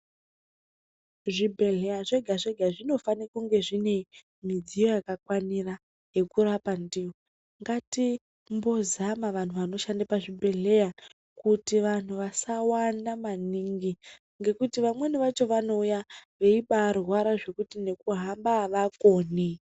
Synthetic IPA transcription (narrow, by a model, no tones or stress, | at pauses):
ʐibʱe̞ɮe̞jaʐe̞ɡʱaʐe̞ɡʱaʐino̞fanikuŋɡeʐine̞i | mid͡zijo̞jakakwanira | je̞kuɾapandiwo | ŋɡati | mbo̞zamaʋan̤uʋano̞ʃandapaʐibʱe̞ɮe̞ja | kutiʋan̤uʋasawanamaniŋɡi | ŋɡe̞kutiʋamwe̞niʋat͡ʃo̞ʋano̞ujaʋe̞iɓarwaɾaʐe̞kutine̞kuɦambaʋako̞ːne